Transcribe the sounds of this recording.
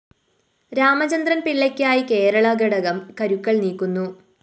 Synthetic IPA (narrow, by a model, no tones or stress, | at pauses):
ɾaːmɐd͡ʑɐnd̪rɐnpiɭːɐkʲːaːjike̞ːɾɐɭɐɡɐɽɐɣɐmkɐɾukːɐɭniːkːunːu